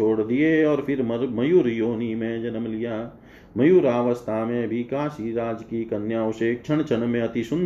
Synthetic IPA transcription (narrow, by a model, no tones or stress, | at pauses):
oːɽd̪ieɔːɾpʰɪɾmmɐjuːɾjoːnimẽd͡ʒɐnəmlɪjaː | mɐjuːɾaːʋəst̪ʰaːmẽbʱikaːsiɾaːd͡ʒkikənjaːʊʃeːk̚t͡ʃʰɐɳ̃t͡ʃʰənmẽɐt̪isʊ̃n